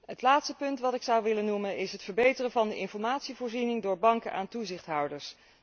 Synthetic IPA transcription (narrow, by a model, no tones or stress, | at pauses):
ɦətlaːtstəpɵntʋɑtɪksʌwʋɪlənumənɪsɦətfəɹbejtərəvɑndəʔɪnfɔɹmaːtsivʊːɹzinɪŋdʊːɹbɑŋkənʔa̰ːntuzɪχtɦʌwdəɹs